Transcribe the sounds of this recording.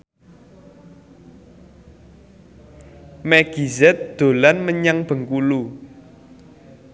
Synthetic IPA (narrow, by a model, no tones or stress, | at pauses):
mɛɡ̥izɛt̪̚d̪̥o̤lanməɲaŋb̥ə̤ŋkulu